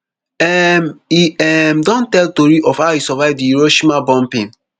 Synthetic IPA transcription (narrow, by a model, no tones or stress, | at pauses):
ɛmiɛmdɔ̃ntɛltoɾiʔɔfhawisɔvaɪvdiuɹoʃimabɔ̃mpĩn